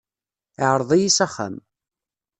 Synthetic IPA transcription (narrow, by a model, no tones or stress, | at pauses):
ʕəɾˤðˤijisæχːa̰m